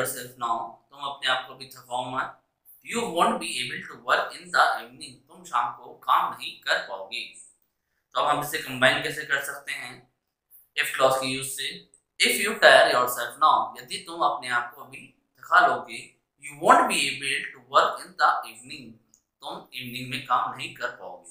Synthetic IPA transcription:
ɔːɾsɛlfnaʊt̪ʊmɐpneaːp̚koɐbʱit̪ʰɐkʰaõmã | t̪juːʋõːɳʈ̚bieːbəlʈuʋəɾkɪ̃nd̪ɐʔiːʋnɪ̃ŋt̪ʊmʃaːmkokaːmnɐɦĩkɐɾpaːoːɡeː | t̪oɐbɦɐ̃mɪsekɐ̃mbaːɪ̃nkɛːsekɐɾsɐk̚t̪eɦɛ̃ː | ɪfklɔːskijuːzse | ɪfjuːʈaːɪəɾjɔːɾsɛlfnaʊjɐd̪it̪ʊmɐpneaːp̚koɐbʱi | t̪ʰɐkʰaloːɡeː | juːʋõːɳʈ̚bieːbəlʈuʋəɾkɪ̃nd̪aʔiːʋnɪ̃ŋɡ | t̪ʊmiːʋnɪ̃ŋɡmẽkaːmnɐɦĩkɐɾpaːo̰ːɡiː

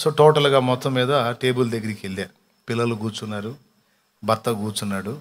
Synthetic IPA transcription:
soːʈoːʈɐlɡaːmɔt̪ːɐmːiːd̪ɐʈe̞ːbuld̪ɐɡːɐɾikeɭːaː | pilːɐluɡuːt͡ʃunːaːɾu | bɐt̪ːɐuɡuːt͡ʃunːaːɽu

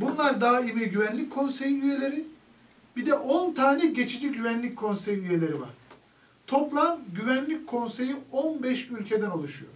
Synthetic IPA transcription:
bunlˠaɾd̪aːaimiɟyvænlʲic̚ʲkʰo̞nse̞jiyje̞lʲe̞ɾi | bid̪ɛʔo̞nt̪ʰaːnɛɟe̞t͡ʃʰid͡ʒiɟyvænlʲic̚ʲkʰo̞nse̞jiyje̞lʲe̞ɾiva̰ɾ̥ | t̪ʰo̞plˠanɟyvænlʲic̚kʰo̞nse̞jionbɛʃylʲcʰe̞d̪æno̞lˠuʃujo̰ɾ

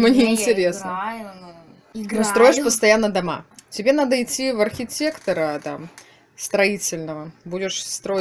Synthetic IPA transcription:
mnʲeɪnʲtʲɪɾʲe̞snə | nost̪ɾo̞jɪʂpəst̪ɐjanːəd̪ɐma̰tʲɪbʲe̞nad̪əɪtʲːivɐrxʲɪtʲe̞kt̪əɾət̪a̰m | st̪ɾɐitʲɪlʲnəvəbudʲɪʂst̪ɾo̞

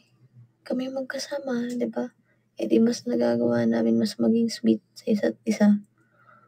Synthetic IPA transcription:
kɐmɛmɐɡ̚kɐsaːmɐd̪ɪba | ʔɛd̪imɐsnɐɡaːɡɐwanaːmɪnmɐsmɐɡɪŋswɪt̪̚sɐʔɪsat̪̚ɪsa

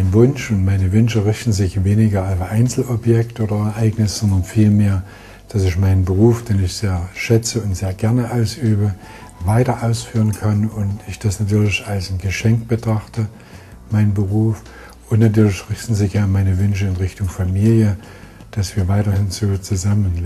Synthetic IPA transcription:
maɪnvʊnʃʊntmaɪnəvʏnʃəʁɪçtn̩zɪçveːnɪɡɐalfʔaɪnt͡sl̩ʔɔpjɛk̚tʔoːdɐɛɐʔaɪɡnɪsz̥ɔndɐnfiːlmeːɐ | d̥asɪçmaɪnənbəʁ̞uːfd̥eːnɪçz̥eːɐʃɛt͡səʊntz̥eːɐɡɛɐnəʔaʊsʔyːbə | vaɪtɐʔaʊsfyːʁənkʰanʊntɪçd̥asnatʰyːɐlɪçalsnɡəʃɛŋkb̥ətʁ̥aχtə | maɪnbəʁuːf | ʊntnatyːɐlɪçʁɪçtn̩zɪçjamaɪnəvʏnʃ̬əɪnʁɪçtʊŋfamiːljə | d̥asv̥iːɐvaɪtɐhɪnzoːt͡suzamən

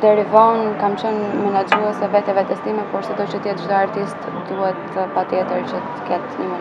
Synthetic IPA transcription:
d̪ɛɾivɔnkamt͡ɕənmɛnad͡ʒuɛsɛvɛt̪ɛvɛt̪ɛst̪imɛpɔɾsɛd̪ɔt͡ʃət̪jɛt̪̚d͡ʒd̪ɔaɾt̪ist̪ | d̪uhɛt̪əpat̪jɛt̪əɾt͡ʃət̪ə̥kɛt̪ɲəmɛ

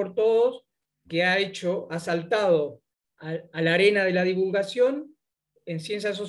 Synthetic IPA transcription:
oɾt̪o̞ðos | keaet͡ʃoasalt̪að̞o̞ | aalaɾe̞nað̞e̞lað̞iβulɣasjo̞n | e̞nsje̞ns̬jas̬o

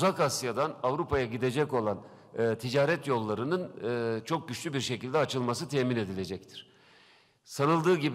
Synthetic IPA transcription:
uzakasjad̪anavɾupʰajaɟid̪e̞d͡ʒɛco̞lˠanɯːt̪ʰid͡ʒaːɾɛt̪jo̞lˠːaɾɯnɯnɯːt͡ʃʰo̞k̚ɟyt͡ʃlʲybiɾʃe̞cʰilʲd̪ɛat͡ʃʰɯlˠmasɯt̪ʰɛːmine̞d̪ilʲe̞d͡ʒɛc̚t̪ʰi̥ɾ̥ | sanɯlˠd̪ɯːɟib

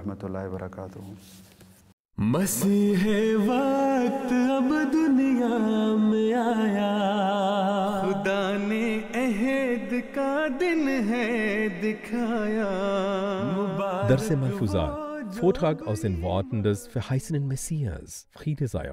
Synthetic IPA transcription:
hmɐt̪ulːaːɦebɐɾɐ̰kaːt̪u | mɐsiːɦɛʋat̪ɐbd̪ʊnijamẽaːja | xʊd̪aːneɛɦed̪kad̪ɪnɦɛd̪ɪkʰajaː | mʊbd̪ɐɾsemɐfuːza̰ːfoːɐtʁ̥aːkaʊsd̥eːnvɔɐtn̩dɛsfɛɐhaɪsənənmɛsiːa̰s | fʁiːdeza̰jɐ̰

